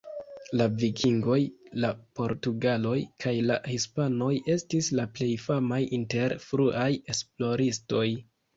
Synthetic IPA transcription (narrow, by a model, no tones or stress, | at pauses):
lavikʰiŋɡo̞jlapo̞ɾtuɡalo̞jkʰajlahispano̞je̞stislaple̞jfamajʔinte̞ɾfɾuʔaje̞splo̞ɾisto̞j